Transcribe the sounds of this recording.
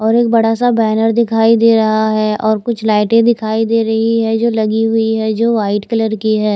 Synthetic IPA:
ɔːɾeːk̚bɐɽasabɛːnəɾd̪ɪkʰaːid̪eːɾɐɦaɦɛɔːɾkʊt͡ʃʰlaːɪʈẽd̪ɪkʰaːid̪eːɾɐɦiɦɛd͡ʒoːlɐɡiɦʊiɦɛd͡ʒoːʋaːɪʈkɪləɾkiɦɛː

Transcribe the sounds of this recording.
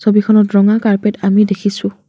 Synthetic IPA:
sobikʰɔnɔɹɔŋakaɹpetamidekʰisʊ̃

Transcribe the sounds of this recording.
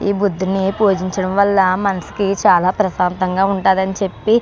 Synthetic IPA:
iːbud̪ːunipuːd͡ʒiɲt͡ʃɐɽɐmʋɐlːɐmɐnɐsi̥kit͡ʃaːlaːpɾɐsaːnt̪ɐŋɡaːuɳʈaːd̪ɐnit͡ʃe̞pːi

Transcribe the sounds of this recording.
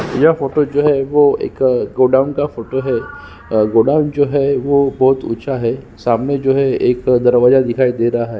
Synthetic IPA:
jafoːʈod͡ʒoːɦɛʋoḛːkɡoːɖaːʊ̃nkafoːʈoɦɛ | ɡoːɖaːʊ̃nd͡ʒoːɦɛʋobɔɦt̪ṵt͡ʃʰaɦɛ | saːmned͡ʒoːɦɛeːkd̪ɐɾʋaːzad̪ɪkʰaːid̪eːɾaɦaɦɛ

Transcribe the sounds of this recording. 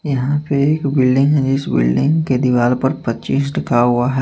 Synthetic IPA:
jɐɦãpeeːkbɪlɖɪ̃ŋɡɦɛd͡ʒɪsbɪ̰lɖɪ̃ŋɡked̪ɪʋaːlpɐɾpɐtːt͡ʃiːsʈɪkaɦʊaɦɛː

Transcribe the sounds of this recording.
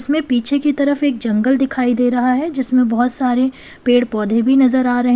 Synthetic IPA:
ɪsmẽpiːt͡ʃʰekit̪ɐɾəfeːk̚d͡ʒɐ̃ŋɡəld̪ɪkʰaːid̪eːɾɐɦaɦɛd͡ʒɪsmẽbɔɦʊt̪saːɾe | peːɽpɔːd̪ʱebʱinɐzəɾaːɾɐɦẽ

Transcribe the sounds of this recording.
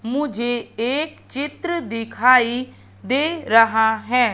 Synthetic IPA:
mʊd͡ʒʱeːeːkt͡ʃɪt̪ɾəd̪ɪkʰaːiː | d̪eːɾəɦaːɦɛː

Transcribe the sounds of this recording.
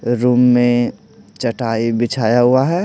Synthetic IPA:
ɾuːmːẽ | t͡ʃəʈaibɪt͡ʃʰaːjaɦʊaɦɛ

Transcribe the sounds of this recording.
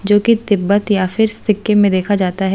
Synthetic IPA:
d͡ʒoːkit̪ɪbːət̪jafɪɾst̪ɪkːemẽd̪eːkʰad͡ʒaːt̪aɦɛ

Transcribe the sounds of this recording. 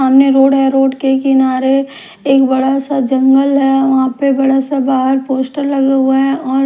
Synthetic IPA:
aːmneɾoːɽɦɛɾoːɖkekɪnaːɾe | eːkbɐɽasad͡ʒɐ̃ŋɡəlɦɛʋɐɦãpebɐɽasabaːɦəɾpoːsʈəɾlɐɡeɦueɦɛ̃ɔːɾ

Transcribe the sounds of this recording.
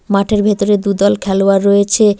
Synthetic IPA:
maʈʰeɾbʱet̪oɾed̪ud̪ɔlkʰɛloaɾːɔet͡ɕʰe

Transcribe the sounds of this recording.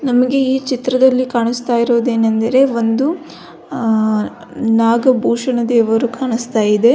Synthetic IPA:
nɐmɐɡe̞iːt͡ʃit̪ɾɐd̪ɐlːikaːɳist̪aːjiɾo̞ːd̪e̞ːnɐnd̪ɐɾe̞ʋo̞nd̪u | naːɡɐbʱuːʂɐɳɐd̪eːʋɐɾukaːɳist̪aːjid̪e̞

